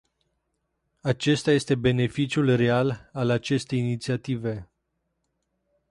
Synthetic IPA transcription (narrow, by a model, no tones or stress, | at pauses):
at͡ʃe̞st̪aje̞st̪e̞be̞ne̞fit͡ʃjulre̞alalat͡ʃe̞st̪e̞jinit̪siat̪ive̞